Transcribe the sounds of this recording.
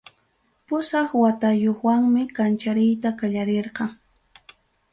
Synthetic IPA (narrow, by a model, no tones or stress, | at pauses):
pʊsɑχwat̪ajoχwaŋmɪkant͡ʃaɾɪjt̪akaʎaɾeɾqɑŋ